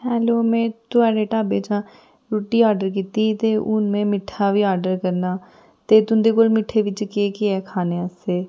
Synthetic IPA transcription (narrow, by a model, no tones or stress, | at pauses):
ɦɛːloːmɛ̃ːt̪ʊaːɖeːʈaːbeːt͡ʃãː | ɾuːʈːiːaːɾɖəɾk̬iːt̪iːt̪eːʔʊnmẽːmɪʈʰːaːʋiːaːɾɖəɾkəɾnaː | t̪eːt̪ʊnd̪eːkoːlmɪʈʰeːʋɪt͡ʃkeːkɪɛːkʰaːneːəseː